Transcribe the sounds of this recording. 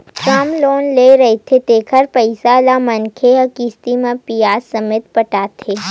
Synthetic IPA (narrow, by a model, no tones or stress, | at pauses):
kaːmloːnleːɾɐɦet̪ʰet̪eːkʰəɾpəɪsalamɐnkʰeɐkiːst̪imẽpijaːsːɐmeːt̪̚pɐʈaːt̪ʰeː